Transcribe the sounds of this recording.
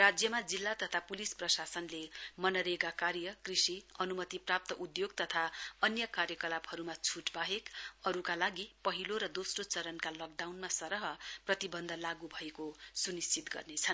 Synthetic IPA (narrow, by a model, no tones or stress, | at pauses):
rad͡zjʌmad͡zilːat̪ʌt̪ʰapulisprʌsasʌnlemʌnʌɾeɡakaɾjʌkrisiʌnumʌt̪iprap̚t̪ʌʔud̪joɡt̪ʌt̪ʰaʌnjʌkaɾjʌkʌlabhʌɾumat͡sʰuʈbaɦekʌɾukalaɡipʌɦiloɾʌd̪osrot͡sʌɾʌnkalʌk̚ɖawnmasʌɾʌɦʌprʌt̪ibʌnd̪ʱʌlaɡubʱʌekosunist͡sit̪ɡʌ̰rnet͡sʰʌn